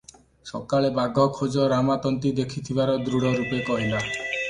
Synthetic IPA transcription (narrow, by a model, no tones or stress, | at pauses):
sɔkaɭebaɡʱɔkʰod͡ʒɔɾamat̪ɔnt̪id̪ekʰit̪ʰibaɾɔd̪ɾuɽɔɾupekɔɦila